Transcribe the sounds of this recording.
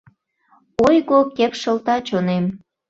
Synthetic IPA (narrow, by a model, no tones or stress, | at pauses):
ojɣokepʃə̆lt̪ɑt͡ɕonem